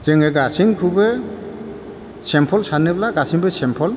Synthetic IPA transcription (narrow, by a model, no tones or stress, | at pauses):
zeŋeɡasiŋkʰube | sempʰɔlsanɯblaɡasiŋbɯsempʰɔl